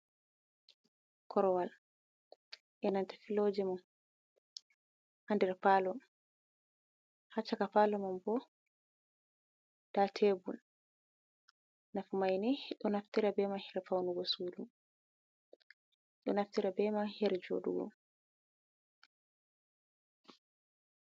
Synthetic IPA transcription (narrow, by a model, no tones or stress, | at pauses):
kʰɔɾɔwal | ʔɛnantḁfiloːd͡ʒɛmɔ | handɛɾpalɔm | hat͡ʃːakafalɔmambɔ | d̥atʰebul | nafumajniɗɔnaftiɾabɛmahɛɾfawnuɡɔsudum | ɗɔnaftiɾabɛmahɛɾɛd͡ʒo̰ɗṵɡɔ̰